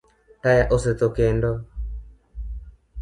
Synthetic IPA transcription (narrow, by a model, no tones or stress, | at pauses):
tajaʔoset̪okɛndɔ